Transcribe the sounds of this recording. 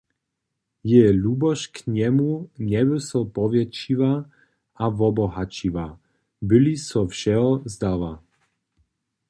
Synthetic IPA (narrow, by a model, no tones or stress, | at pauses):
jɛlubɔʃkɲɛmuɲɛbɛsɔpɔvjɛt͡ʃiva | avɔbɔɦat͡ʃiva | bɪlisɔfʃɛɔzd̪ava